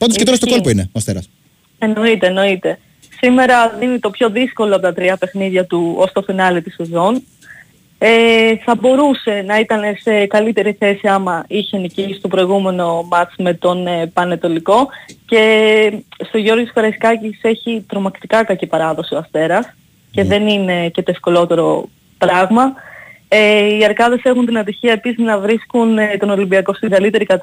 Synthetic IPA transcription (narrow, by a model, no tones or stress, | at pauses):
pɐnd̪osket̪oɾɐst̪okolpoinḛoɐst̪eɾɐ̰s | eno̞it̪e̞ːno̞it̪e̞ | sime̞ɾɐðinit̪o̞pço̞ðisko̞loɐpot̪ɐt̪ɾiɐpe̞xniðʝɐt̪uost̪o̞finɐlit̪isezo̞n | eθɐbo̞ɾuse̞nɐit̪ɐne̞se̞kɐlit̪e̞ɾiθe̞siɐmɐiçenicist̪o̞pɾo̞iɣume̞no̞mɐt͡sme̞t̪o̞npɐnet̪o̞liko̞ce̞ | st̪o̞ʝo̞ɾɣoskoɾɐiskɐcise̞çit̪ɾo̞mɐkt̪ikɐkɐcipɐɾɐðo̞sioɐst̪e̞ɾɐs | ceðe̞nine̞ce̞t̪o̞e̞fko̞lo̞t̪e̞ɾo̞̰ | pɾɐɣmɐ | eiɐɾkɐðe̞se̞xunt̪inɐt̪içiɐe̞pisiznɐvɾiskunt̪o̞no̞limbiɐko̞st̪iŋɡɐlit̪e̞ɾikɐt̪